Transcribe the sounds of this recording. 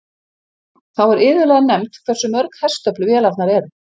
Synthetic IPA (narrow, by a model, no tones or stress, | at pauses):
θawɛɾɪːðʏlɛːðanɛmt̪kʰvɛr̥sʏmœɾkhɛ̥st̪œplʏvjɛːlat̪naɾɛɾ